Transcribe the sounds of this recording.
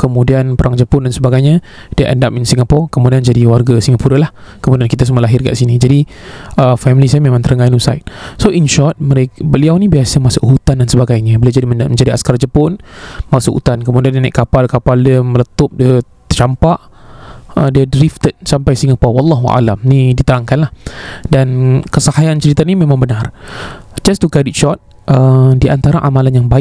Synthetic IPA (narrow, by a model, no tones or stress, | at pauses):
kəmũdianpəɾʔaŋd͡ʒəpʊndansəbaɡajɲə | d̥iəʔə̰ndapinsiŋɡapɔrkəmũdiand͡ʒadiwarɡasiŋɡapuɾəlah | kəmũdiankit̪as̬umaəlaɦɪrka̰ʔsinid͡ʒadi | əfɛmilisajamemãŋt̪əɾəŋɡajnusa̰jt̪̚soʔinʃɔt̪̚məɾekbəliawnĩbiasəmasʊʔɦut̪andansəbaɡajɲə̃bəliawd͡ʒadimməɲd͡ʒadia̰skard͡ʒəpʊnmasʊʔhṵt̪ankəmudiandinajʔkapalkapaldiəmələt̪ʊp̚diə | ət͡ʃampaʔ | ədiədɾift̪ət̪̚sampajsiŋapɔrwɑlːɑɦua̰la̰mnidit̪əɾaŋkanlahdankəsahajant͡ʃəɾit̪animemãŋbənar | d͡ʒast̪ukadit̚t͡ʃɔt̪̚ | ʔədiʔant̪aɾaʔamalanjaŋbaɪ